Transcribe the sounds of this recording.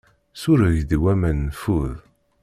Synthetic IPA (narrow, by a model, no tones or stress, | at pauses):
sʊɾəʝðiwæmənːfuð